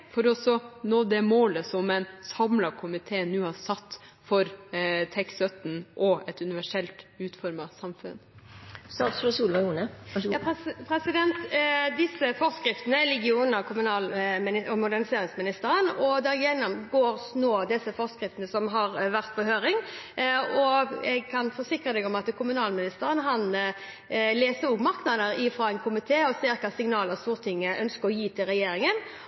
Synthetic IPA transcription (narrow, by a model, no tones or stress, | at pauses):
fɔɾɔsɔnɔd̪ɛmoːləsɔmɛɪnsɑmlɑkʰʊmɪt̪ʰeːnuːhɑɾsɑt̪ː | fɔɾt̪ʰɛksœt̪n̩ʔɔʔɛt̪ʉnɪʋæʂɛlt̪ʉːt̪fɔɾmɑsɑmfʉ̰nst̪ɑːt̪sfɾɔsuːlmɑuːnə | pʰɾɛsɪd̪ɛnt̪d̪ɪsːəfɔɾskɾɪft̪ənəlɛɡɪuːnənəkʰʊmʉnɑːlmɪnɪɔmʊd̪æʁnɪseːɾɪŋsmɪnɪst̪əɾənɔd̪ɛɾjɛnːɔmɡoːɾsnoːd̪ɪsːəfɔʁskʁɪft̪ənəsɔmɦɑʁʋæʁt̪pɔhøːɾɪŋ | ɔɛɡ̚kʰɑnfɔsɪkʁəd̪ɛɡɔmɑt̪kʰʊmʉnɑːlmɪnɪst̪əɾənɦɑn | leːsəɾʊɡmɑʁknɑd̪əɾɪfɾɔːɛnkʰʊmɪt̪ʰeːɔsɪɾkɑsɪŋnɑːləʁst̪uːʁt̪ʰɪŋːəʔœnskəɾɔjiːt̪ʰɪlʁɛjeːɾɪŋən